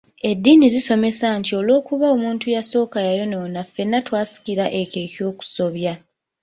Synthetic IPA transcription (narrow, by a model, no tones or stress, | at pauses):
e̞dːiːniziso̞me̞santio̞lo̞ːkuβao̞muːntujaso̞ːkajajo̞nonafːe̞nːatwaːsi̥kiɾaʔe̞ke̞ːco̞ːku̥so̞βja